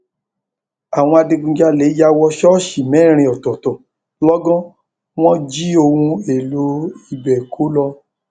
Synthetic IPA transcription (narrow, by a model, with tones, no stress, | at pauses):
a˨w̃ɔ̃˧a˧de˧ɡũ˧d͡ʒa˧le˨˦ja˧wɔ˧ʃɔ˦ʃi˨mɛ̃˨˦˨ɾ̃ĩ˧˨ɔ˨tɔ˨tɔ˨ | lɔ˦ɡɔ̃˦ | w̃ɔ̃˦d͡ʒi˦o˧wũ˧e˨lo˨˦i˨bɛ˨kʰo˨˦lɔ˧